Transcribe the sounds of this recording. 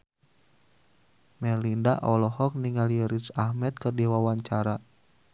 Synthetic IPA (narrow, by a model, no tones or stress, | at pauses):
mɛlindaʔɔlɔhɔk̚niŋaljəɾisahmɛt̪̚kərdiwawaɲt͡ʃaɾa